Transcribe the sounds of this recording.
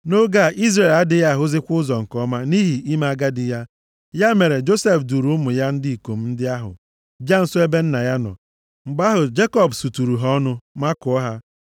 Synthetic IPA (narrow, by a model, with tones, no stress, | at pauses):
no˦ɡa˦˨ʔi˦zɾe˨la˦dɪ˨ja˦˨ɦʊ˦zɪ˦kʷʊ˦ʊ˦zɔ˨ŋ̩˨kɔ˦ma˦ni˦ɦi˨ʔi˦ma˦a˦ɡa˦dɪ˨ja˦ | ja˦me˨ɾe˨d͡ʒo˦se˦fdu˨ɾu˨˦mʊ˨ja˦n̩˦dɪ˦i˨ko˨m̩˦n̩˦dɪ˦a˦ɦʊ̰˨ | d͡ʒa˦n̩˨sʊ˦e˦be˦n̩˦na˨ja˦nɔ̰˨ | m̩˨ɡ͡ba˦ɦʊ˨d͡ʒe˦kɔ˦bsu˨tu˨ɾu˨ɦɔ˦nʊ˦ma˦kʊ˨ɔ˦ɦa˦